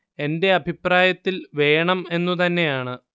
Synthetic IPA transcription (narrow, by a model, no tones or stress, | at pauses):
e̞nde̞ɐbʱipraːjɐt̪ːilʋe̞ːɳɐme̞nːut̪̬ɐnːe̞jaːɳɨ